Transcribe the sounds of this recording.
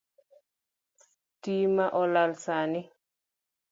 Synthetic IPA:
tiːmaʔɔlalsani

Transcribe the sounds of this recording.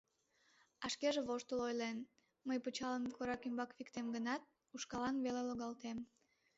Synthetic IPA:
ɑʃkeʒeβoʃt̪əlojlen | məjpət͡ɕɑlənkʰoɾɑkymbɑkβikt̪emɡənɑt̪̚ | uʃkɑlɑnβeleloɣɑlt̪em

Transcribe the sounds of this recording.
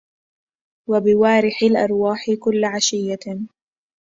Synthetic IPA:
wabɪwaːɾɪħɪlʔɑ̰ɾˤwaːħɪkʊlːʕaʃɪjːa

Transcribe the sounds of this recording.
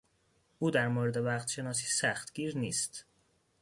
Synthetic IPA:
ʔuːd̪æɾmoɾed̪e̞væqt̪ʃe̞nɒːsiːsæxt̪ɡ̥iːɾniːst̪

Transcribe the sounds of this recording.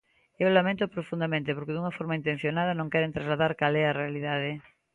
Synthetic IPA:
ewlamẽnt̪opɾofund̪amẽnt̪epoɾkeðuŋafɔɾmaint̪ẽn̟θjonað̞anõŋkɛɾent̪ɾazlaðaɾkalɛarealiðað̞e

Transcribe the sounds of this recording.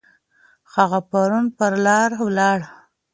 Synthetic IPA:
xaɣapaɾunpəɾlɑɾwlɑɽ

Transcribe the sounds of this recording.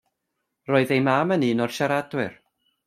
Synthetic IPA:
roːɨðejmaːməniːnɔr̥ʃaɾadwɪr

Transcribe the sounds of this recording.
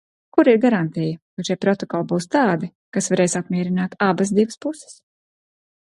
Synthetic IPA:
kuɾiɾɡaɾant̪ijɐkɔʃɛjpɾɔt̪ɔkɔlˠbuːst̪ɑːd̪i | kasvaɾɛjsapmʲiɛɾinaːt̪abɐsd̪ivɐspusɪ̥s

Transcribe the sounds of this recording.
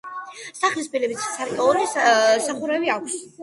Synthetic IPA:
saχlispʼilɛbit̪sʰsaɾkʼɛuɾisaχuɾɛviakʷʰs

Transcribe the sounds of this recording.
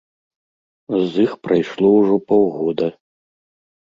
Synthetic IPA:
zixpɾajʂlˠɔwuʐɔpɔwɣɔd̪ɐ

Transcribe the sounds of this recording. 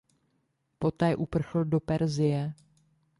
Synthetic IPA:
po̞t̪ɛːʔupr̩xl̩do̞pɛɾzɪjɛ

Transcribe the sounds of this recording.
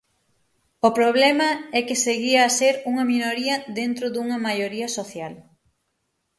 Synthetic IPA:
opɾoβ̞lɛmɐɛkɪseɣiɐːseɾuŋɐminoɾiɐðent̪ɾʊðuŋɐmajoɾiɐsoθjal

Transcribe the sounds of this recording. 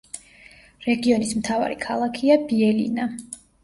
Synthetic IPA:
ɾɛɡiɔnismt̪ʰava̰ɾikʰalˠakʰiabiɛlḭna

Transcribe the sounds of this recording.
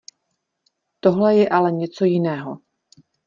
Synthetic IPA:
t̪oɦlɛjɛʔalɛɲɛt͡so̞jɪnɛːɦo̞

